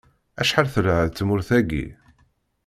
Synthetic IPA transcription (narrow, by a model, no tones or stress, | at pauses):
æʃħaɾθəɾaʕðt͡sːmʊɾθæɡḭ